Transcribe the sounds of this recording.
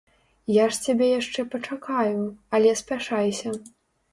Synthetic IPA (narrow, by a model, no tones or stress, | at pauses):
jaʂt͡sʲabʲɛjaʂt͡ʂɛpɐt͡ʂakajuɐlʲɛspʲaʂajsʲɐ